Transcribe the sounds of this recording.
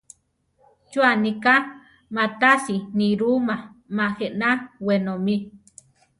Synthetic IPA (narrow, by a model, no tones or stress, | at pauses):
t͡ʃuanika | mat̪asiniɾumamaheʔnawenomi